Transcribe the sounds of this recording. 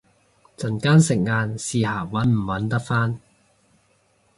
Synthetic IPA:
t͡sɐ˨˩nkaː˥nsɪ˨˩k̚ŋaː˧nsiː˨˧haː˨˩wɐ˨˥nm̩˨˩wɐ˨˥nt̪ɐ˥k̚faː˥n

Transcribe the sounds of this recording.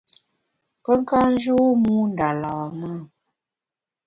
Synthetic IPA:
pə˦ŋ˦ka˦n̩˦d͡ʒə˦wo˦mu˦n˨da˨laː˨mə˦˨

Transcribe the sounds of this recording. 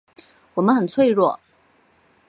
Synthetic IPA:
wɔ˨˩mə˦nxə˨˩nt͡sʰwe˥˧ɪɻwɔ̰˥˩

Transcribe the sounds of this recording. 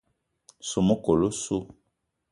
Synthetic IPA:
so˨mo˦ko˨lo˦so˦

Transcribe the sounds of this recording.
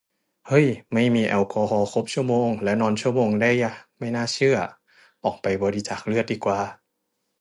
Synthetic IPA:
hɤ˦˥˨jma˥˩jmiː˧ʔɛ˧˩wkɔː˧hɔː˧xʰo˦˥p̚t͡ɕʰu˥˩ɐmoː˧ŋlɛ˦˥nɔː˧nt͡ɕʰu˥˩ɐmoː˧ŋda˥˩˨jja˧˩ma˥˩jnaː˥˩t͡ɕʰɯ˥˩ɐ | ʔɔː˨˩k̚pa˨jbɔː˧ɾiː˧˦t͡ɕaː˨˩k̚lɯ˥˩ət̪̚diː˧˩kwaː˧

